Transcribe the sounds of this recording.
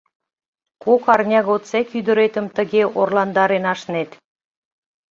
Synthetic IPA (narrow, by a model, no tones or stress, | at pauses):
kokɑrnʲɑɣot̪t͡sekyd̪ə̆ɾet̪ə̆mt̪ə̆ɣeorlɑnd̪ɑɾenɑʃnet̪